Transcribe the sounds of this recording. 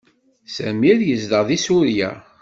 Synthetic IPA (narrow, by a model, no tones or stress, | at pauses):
sæmiɾjəzd̪əʁðisuɾjæ̰